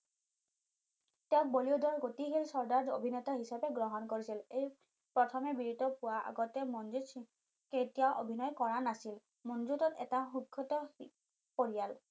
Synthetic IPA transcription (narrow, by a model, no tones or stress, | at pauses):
tɛɔ̃k̚boliodɔɹɡotiɦilsɔɹdaɹdo̰bʱinɛtaɦisapɛɡɹɔɦɔnkoɹisilej | pɹɔtʰɔmɛbiɹidɔpuwaʔa̰ɡɔtɛmɔnzut | ketiawʔobʱinɔjkɔɹanasil | mɔnzutɔtɛ̰taxukʰːɔtɔ | poɹijal